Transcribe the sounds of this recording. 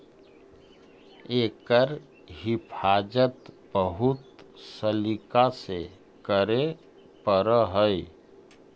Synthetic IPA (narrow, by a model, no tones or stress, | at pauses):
ekəɾ | ɦipʰad͡ʒət̪ | bəɦut̪səlikase | kəɾe | pəɾəɦəj